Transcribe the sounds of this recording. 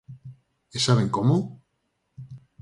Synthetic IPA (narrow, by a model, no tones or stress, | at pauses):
esaβeŋkomo